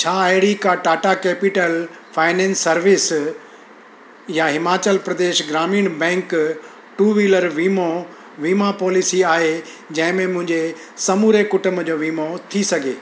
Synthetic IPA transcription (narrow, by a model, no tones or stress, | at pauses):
t͡ɕʰaːəɦɪɽikaʈaːʈakɛːpɪʈəl | faːɪnɛ̃ːnsːɐɾʋɪs | jaɦɪmaːt͡ɕəlpɾɐd̪eːʃɡɾaːmiːɽ̃bɛ̃ːŋk | ʈuːʋiːləɾʋiːmo | ʋiːmapɔːlɪsiaːɦe | d͡ʑɐ̃ɦɪ̃mẽmʊ̃ɦɪ̃ɲd͡ʑe | sɐmuːɾekʊʈʊmd͡ʑoːʋiːmot̪ʰisɐɡʱḛː